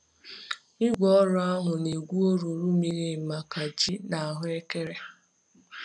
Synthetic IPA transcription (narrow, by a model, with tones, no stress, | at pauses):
ɪ˦ɡʷɔ˦ɾʊ˦a˦ɦʊ˨ne˨ɡʷu˦o˦ɾu˨ɾu˦mi˨ɾi˦˨ma˨ka˨d͡ʒi˦na˨a˨ɦʊ˦e˦ke˦ɾe˦